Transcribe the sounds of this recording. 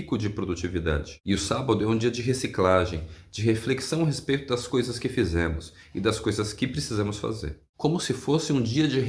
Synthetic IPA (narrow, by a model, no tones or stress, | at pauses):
ikʊd͡ʒɪpɾod̪ut͡ʃivid̪a̰d͡ʒɪɪʊsabɐd̪ʊɛũd͡ʒiɐd͡ʒɪɦesiklaʒẽj̃d͡ʒɪɦefleksɐ̃w̃ɐɦespejt̪ʊd̪ɐskojzɐskɪfizẽmʊs | ɪd̪ɐskojzɐskɪpɾesizɐ̃mʊsfa̰zḛɾ | kõmʊsɪfosɪũd͡ʒiɐd͡ʒɪɦ